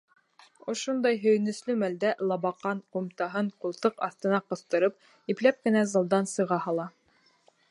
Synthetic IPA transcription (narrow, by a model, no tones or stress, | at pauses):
ŏʃond̪ɑjɦɵ̆j̆nɵ̆slɵmæld̪ælˠɑbɑqːɑɴqumt̪ɑɦɤɴqulˠt̪ɤqɑθt̪ɤ̆nɑqɤ̆θt̪ɤ̆ɾɤp̚ | iplæp̚kɘ̆næzɑ̆lˠd̪ɑnsɤ̆ʁɑhɑlˠɑ